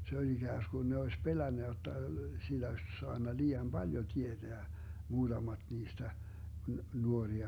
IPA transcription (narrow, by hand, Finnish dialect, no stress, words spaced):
se olʲ iɡ̊æːskun ne oes pelænːæ jotːɑ silːæ osʲ soɑnːɑ liːɑm b̥ɑljo tied̥eæ muːd̥ɑmɑd̥ niːstæ nuoriɑ